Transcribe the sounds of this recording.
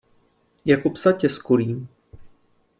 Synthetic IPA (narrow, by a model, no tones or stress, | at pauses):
jakopsacɛskoɾiːm